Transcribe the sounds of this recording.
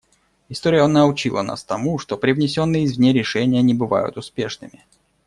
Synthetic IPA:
ɪst̪oɾʲɪjəənəʊt͡ɕilˠə̰na̰st̪ɐmuʂt̪o̞pɾʲɪvnʲɪsʲo̞nːɨjɪzʲvnʲeɾʲɪʂɛnʲɪjənʲɪbɨva̰jʊ̰t̪ʊspʲe̞ʂnɨmʲɪ

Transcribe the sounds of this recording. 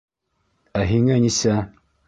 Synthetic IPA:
æɦiŋænisæ

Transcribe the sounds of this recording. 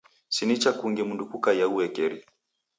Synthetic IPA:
sinit͡ʃakuŋɡɛmundukukajauɛkɛɾi

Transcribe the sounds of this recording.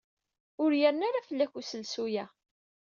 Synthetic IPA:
ʊɾjəɾnaɾafəlːæçusəlsujæ

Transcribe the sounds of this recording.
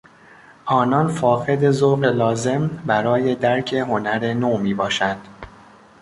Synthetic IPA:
ʔɒːnɒːnfɒːɣe̞d̪e̞zoɣelɒːze̞mbæɾɒːje̞d̪æɾcʰe̞ɦo̞næɾenoːmiːbɒːʃænd̪̥

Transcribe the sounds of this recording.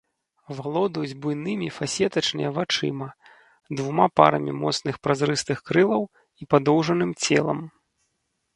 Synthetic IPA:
valˠɔd̪ɐjud͡zʲbujnɨmʲifasʲɛt̪ɐt͡ʂnɨjɐvat͡ʂɨ̰mɐ | d̪vumapa̰ɾɐmʲimɔt̪snɨxpɾazɾɨst̪ɨxkɾɨlˠɐw | ipad̪ɔwʐɐnɨmt͡sʲɛ̰lˠɐm

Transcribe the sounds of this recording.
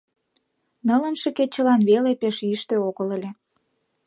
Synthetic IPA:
nələ̆nʃəket͡ɕə̆lɑnβelepeʃiʃt̪øoɣələlʲe

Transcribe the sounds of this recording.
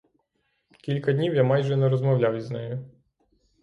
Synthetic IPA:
kʲilʲkɐd̪ʲnʲiwjamɑjʒɛnɛɾɔzmɐwlʲawiznɛjʊ

